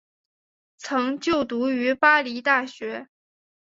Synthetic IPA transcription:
t͡sʰɤ˧˥ŋt͡ɕjo˥˩ʊt̪u˧˥y˧˥pa˥li˧˥t̪a˥˩ɕɥɛ˧˥

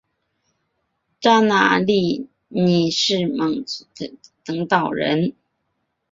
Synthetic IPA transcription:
ʈ͡ʂa˥na̰˧˦li˥˩ | ni˨˩ʂɻ̩˥˩mɤ˨˩ŋt͡st̪ɤ˧˥ŋt̪ɑ˨˩ʊɻə̰˧˥n

